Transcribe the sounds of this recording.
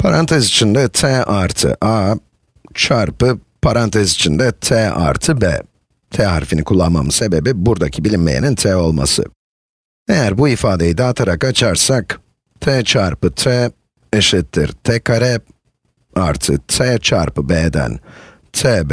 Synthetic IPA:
pʰaɾant̪ʰɛzit͡ʃʰind̪ɛt̪ʰɛːʔaɾt̪ʰɯ̰ʔaː | t͡ʃʰaɾpɯ | pʰaɾant̪ʰɛzit͡ʃʰind̪ɛt̪ʰɛːa̰ɾt̪ʰɯbɛ̰ː | t̪ʰɛaɾfinikʰulˠːanma̰mɯse̞be̞bibuɾd̪acʰibilʲimme̞̰jḭnint̪ʰɛːo̞lˠma̰sɯ̰ | ejæɾbuifaːd̪e̞jid̪aːt̪ʰaɾakat͡ʃʰaɾsak | t̪ʰɛːt͡ʃʰaɾpɯt̪ʰɛ | eʃit̪ʰːḭɾt̪ʰɛkʰaɾɛ | aɾt̪ʰɯ̰t̪ʰɛːt͡ʃʰaɾpɯbɛːd̪æ̰n | t̪ʰɛːb

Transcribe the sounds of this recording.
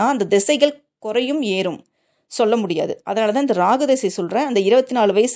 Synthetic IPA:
aːɐnd̪ɐd̪ɛsɐɪɣɐɭ | kʊrɐjɯmeːɾɯm | sɔlːɐmʊɽɪja̰ːðɯʔɐðɐnaːɭɐt̪ãːɪnd̪ɐɾaːɣɯd̪ɛsɐsɔlrẽːɐnd̪ɐɪɾɯbɐt̪ːɪnaːɭʋɐɪs

